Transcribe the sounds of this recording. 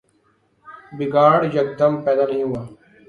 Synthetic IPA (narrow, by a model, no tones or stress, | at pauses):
bɪɡaːɽjəɡ̚d̪əmpɛːd̪aːnəɦĩːɦʊaː